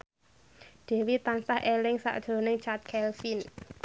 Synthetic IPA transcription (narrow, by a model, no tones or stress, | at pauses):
d̪̥e̤wit̪ansahʔelɪŋsa̰ʔd̥ʒ̥o̤nɪŋt͡ʃat̪̚kʰɛlfin